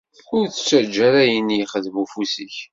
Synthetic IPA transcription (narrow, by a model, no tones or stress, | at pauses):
ʊɾθə̥t͡ʃːæd͡ʒːæɾæjənːiχəðmufusəç